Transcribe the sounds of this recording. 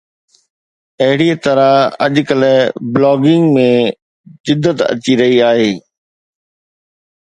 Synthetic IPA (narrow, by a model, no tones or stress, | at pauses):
ɐɦɪɽit̪ɐɾaɐ̰ʄkɐlblɔːɡɪ̃ŋɡmẽ | d͡ʑɪd̪ːət̪ɐ̰t͡ɕiɾɐɦiaːɦeː